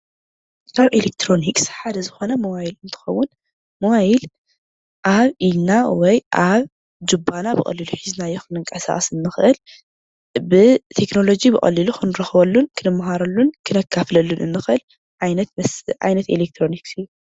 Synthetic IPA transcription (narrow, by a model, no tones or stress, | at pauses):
k̪ʰaβelekt̪ʰɾo̞nikʼsħad̪ɐzɨxo̞nɐmɐwajilɨnt̪ʰɨ̥xɐwːʊn | mɐwajil | ʔaβʔilnawɔjʔaβ | d͡ʒubanabɨ̰χʼɐ̰lːiluħiznajːoxɨnɨŋkʼɐsa̰χʼɐsɨnːɨxʔɨl | bɨt̪ʰekno̞lo̞d͡ʒibɨkʼɐ̰lːiluxɨnɨɾɐxβɐlːunkʰɨnɨmɦaɾɐlːunkʰɨnɐkʰːaflɐlːunʔɨ̰nːɨxʔɨl | ʕajnɐt̪mɐʕa̰jnɐt̪elek̚t̪ʰɾo̞niksɨjːu